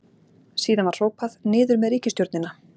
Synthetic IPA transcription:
siːðanvaɾ̥r̥oːwpaðnɪːðʏɾmɛðɾiːhcɪst̪joɾt̪nɪna

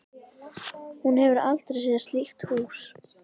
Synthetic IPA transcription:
hunhɛvʏɾal̥t̪ɾejsiːðast̪lixt̪huːs

